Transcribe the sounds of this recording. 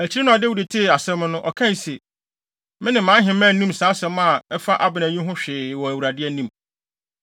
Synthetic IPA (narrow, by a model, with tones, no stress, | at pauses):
æ˨t͡ɕʰi˦ɾe˦nʊ̃˦a˨de˦wu˨de˨tʰe˦˨a˨sɛ̃˦m˦nʊ̃˦ʔɔ˨kʰã˦n˨se˨ | mɪ̃˦nɪ̃˨mːãː˨˦ɦɪ̃˨mæ̃˦˨n̩˦nĩ˦m˨saː˨˦sɛ̃˦ma˨ɛ˦fa˦ʔa˦bɪ˨næ̃˨ɲĩ˦ɦʊ̃˦ɕᶣɪː˨wɔ˨æ˨wu˨ɾa˨dɪ˦ɛ˦nĩ˦m